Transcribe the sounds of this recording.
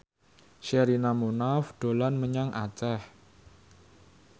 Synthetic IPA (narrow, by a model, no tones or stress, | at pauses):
ʃɛɾinamonafɖ̪̥o̤lanməɲaŋʔat͡ʃɛh